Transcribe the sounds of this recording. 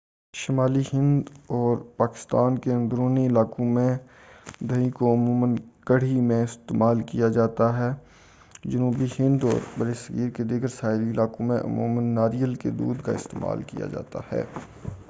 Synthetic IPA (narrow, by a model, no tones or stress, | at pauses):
ʃɪmaːlihɪ̃nd̪ɔːɾpaːkɪ̥st̪aːnkeɐ̃nd̪ɾoːniɪlaːkõmẽ | d̪ʱɐĩkoʊmuːmənkəɽ̤imẽɪst̪eːmaːlkijad͡ʒaːt̪aɦɛː | d͡ʒʊnuːbihɪ̃nd̪ɔ̰ːɾbɐɾesəɡiːɾked̪ɪɡəɾsaːɪɾiɪlaːkõmẽʔʊ̰mṵːmənːaːɾijəlkḛd̪ṵːd̪ka̰ɪst̪ḛːma̰ːlkḭja̰d͡ʒa̰ːt̪a̰hɛ̰ː